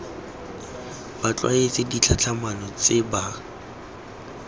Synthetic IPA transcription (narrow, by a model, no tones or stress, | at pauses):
bat͡ɬʼwa̰et͡sɪdit͡ɬʰat͡ɬʰamanɔt͡sʼɪba